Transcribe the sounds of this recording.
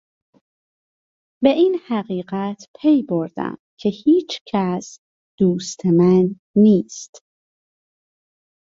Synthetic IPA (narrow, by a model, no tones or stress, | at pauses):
be̞ʔinhæɣiːɢæt̪ʰpʰe̞jboɾd̪æ̰mcʰe̞hiːt͡ʃʰcʰæs | d̪̥uːst̪ʰemænː | iːst̪